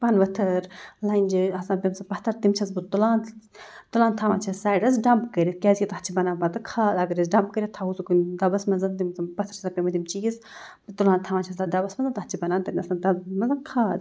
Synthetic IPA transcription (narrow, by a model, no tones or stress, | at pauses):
pɐnʋɐt̪ʰɐɾlɐnʲd͡ʒiɐsãːpʲɐmsɐpɐht̪ʰɐɾt̪imt͡ʃʰɐzbut̪ulaːnt̪ulãːnt̪ʰaːʋã̰ːt͡ʃʰɐssaːjɖɐzɖɐmpkɐɾʲikʲazʲjit̪ɐɦt͡ʃʰibɐnaːbɐt̪ɨkʰaːd̪ɐɡɐɾisɖɐmpkəɾʲit̪ʰausukund̪ɐbɐsmɐnzɐnt̪impɐt̪ʰɐɾsapʲemɐt̪imt͡ʃiːz | bit̪ulaːnt̪ʰaːʋãːnt͡ʃʰɐsd̪ad̪ɐbɐsmɐnzɐnt̪ɐɦt͡ʃʰibɐnaːnt̪ɐnɐsaːnt̪ɐmɐzɐnkʰaːd̪